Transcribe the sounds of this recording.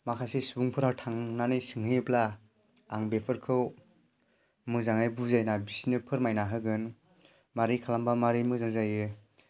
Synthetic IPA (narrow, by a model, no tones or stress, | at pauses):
makʰasesuuŋpʰɯɾawtʰaŋnanɯjsɯŋɦɯjplaː | ŋbepʰɯɾkʰɯw | mɯzaŋajbuzajnabisinɯpʰɯɾmajnaɦɯɡɯn | maɾikʰalambamaɾimɯzaŋzajɯ